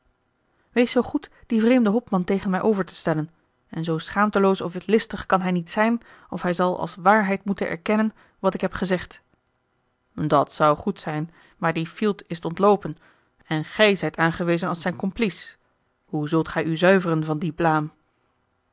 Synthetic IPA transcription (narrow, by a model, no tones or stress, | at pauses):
ʋejsowχutd̥ivrejmdəɦɔpmɑntejχənmɛjʔowvəɹtə̥stɛlən | ɛnzowsχaːmtəlowsɔfɪtlɪstəχkɑnɦɛjnitsɛjn | ɔfɦɛjzɑlˠʔɑ̰lˠsʋaːɹɦɛjtmutənʔɛ̰ɹkɛnən | ʋɑtɪkɦɛpχəzɛχt | dɑtsʌwχutsɛjn | maːɹdifilˠtɪstɔntlowpən | ɛnχɛjzɛjtaːnχəʋejzənɑlˠsɛjnkɔmplis | huzɵlˠtχɛjyzœɥvərənvɑndiplaːm